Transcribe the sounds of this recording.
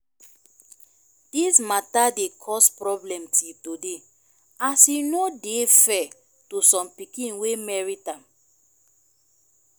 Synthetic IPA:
d̥ismatadekʰɔspɹɔblɛ̃mtʰitode | asinodefɛ | tusɔ̃mpikĩnwemɛɹitãm

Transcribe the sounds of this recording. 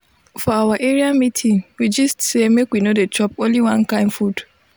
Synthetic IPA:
fɔawaʔeɹiamitʰĩŋwid͡ʒʌstsemekwinodet͡ʃɔpõnliwãnkãɪ̃mfud

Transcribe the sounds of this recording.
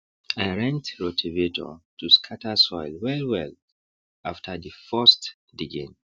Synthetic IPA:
ajɹɛ̃ntɹotʰivetʰɔ̰tʰuskʰatəsɔɪlwɛlwɛl | aftʰədəfɜst | diɡḛ̃n

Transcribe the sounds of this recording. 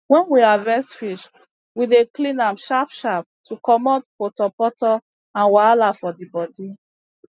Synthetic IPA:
wɛ̃nwiavɛ̃sfiʃ | wideklĩnãmʃapʃap̚tʰukɔmɔt̚potɔpɔtɔ | ãnwalafɔdibɔdi

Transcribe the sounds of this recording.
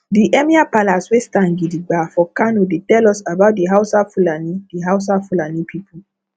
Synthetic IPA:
diʔɛmiapalaswestãŋɡidiɡ͡bafɔkanodetɛlɔsabaʊt̚diɦaʊsafulanidiɦaʊs̬afulanipʰipu

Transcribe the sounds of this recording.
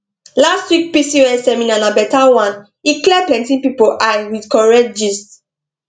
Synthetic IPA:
lastwik̚pisiɛsɛmĩnãnabɛtawãn | iklɛplɛ̃ntĩpipoʔãwidkɔɹɛtd͡ʒis

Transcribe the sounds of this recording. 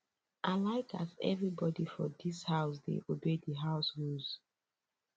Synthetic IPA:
ʔaɪlaɪkʰa̰zɛ̰vɹibɔdifɔdishaʊsdḛʔobedəɦaʊsɹuz̥

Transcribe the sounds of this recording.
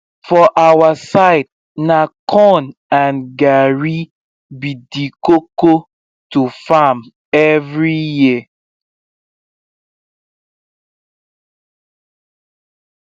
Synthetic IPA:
fɔʔawasaɪd̚ | nakʰɔnãnɡaɹi | bidikoko | tufam | ɛvɹiji

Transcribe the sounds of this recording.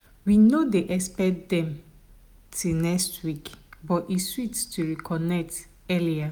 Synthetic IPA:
winodeʔɛspɛkdɛ̃m | tʰinɛkstwikbɔtiswitstuɹikʰɔnɛk̚t | ɛlia

